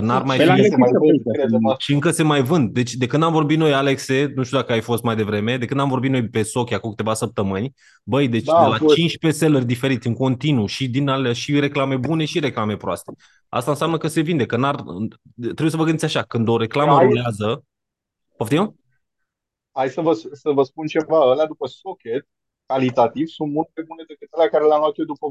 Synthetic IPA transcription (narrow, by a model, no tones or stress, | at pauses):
ənarmaj | ʃiɨŋkəse̞majvɨnd̪̚d̪e̞t͡ʃʲd̪e̞kɨnd̪amvo̞rbit̪no̞jale̞kse̞nuʃt̪ʲud̪akəajfo̞st̪majd̪e̞vɾe̞me̞d̪ekɨnd̪amvo̞rbinojpe̞so̞kʲjakukɨ̥t̪e̞vasəp̚t̪əmɨnʲ | bəjd̪e̞t͡ʃd̪elat͡ʃint͡ʃpe̞se̞lərʲd̪ife̞ɾit̪ʲɨŋko̞nt̪inuʃid̪inalaʃiɾe̞klame̞bune̞ʃiɾe̞klame̞pɾoast̪e̞ | a̰st̪aɨnsʲejamnəkəse̞vind̪e̞kənar | t̪ːɾeujesəvəɡɨnisʲaʃakɨnd̪o̞ɾe̞klaməumeazə | poft̪ew | hajsəvəsəvəspunt͡ʃe̞vaəlead̪upəsokʲet̪ | kalit̪at̪ivsunt̪̚mult̪̚majbune̞d̪ekɨt̪əlakaɾeleamlat̪jed̪upə